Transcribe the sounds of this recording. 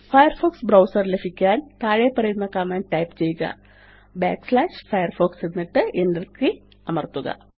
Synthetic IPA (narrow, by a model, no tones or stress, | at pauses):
fɐjɐrfoːksbrɐwsɐrlefʰikʲːaːnt̪aːɻepɐrɐjunːɐkaːmaːnʈɐjpt͡ɕejːuɡɐ̰ | baːkslaːʂfɐjɐrfoːksenːiʈːɨʔenɖɐrki | ɐmɐrt̪ːuɡɐ̰